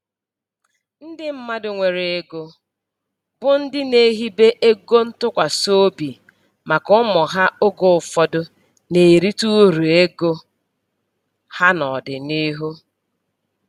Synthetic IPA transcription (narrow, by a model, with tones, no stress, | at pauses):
n̩˦dɪ˦m̩˦ma˦dʊ˨ŋʷe˨ɾe˨e˨ɡo˦ | bʊ˦n̩˦dɪ˦ne˦˨˦ɦi˦be˦ʔe˦ɡo˦n̩˦tʊ˦kʷa˨so˦bi˨ | ma˨kʊ˦mɔ˨ɦa˦o˦ɡo˨ʊ˨fɔ˦dʊ˦ | ne˨ɾi˦tu˦ɾu˨e˦ɡo˦ | ha˦nɔ˨dɪ˨ni˦ɦu˦